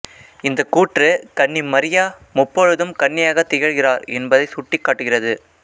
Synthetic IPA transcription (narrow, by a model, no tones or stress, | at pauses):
ɪnd̪ɐkuːʈrɯkɐɳːɪmɐɾɪjaː | mʊpːoɻɯðɯmkɐɳːɪjaːɣɐt̪ːɪjɐɻɣɪraːɾɛnbɐðɐɪsʊʈːɪkːaːʈːɯɣɪrɐðɯ